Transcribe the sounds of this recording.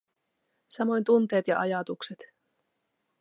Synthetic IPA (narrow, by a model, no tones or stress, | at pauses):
sɑmo̞jnt̪unt̪e̞ːt̪jɑʔɑjɑt̪ukse̞t̪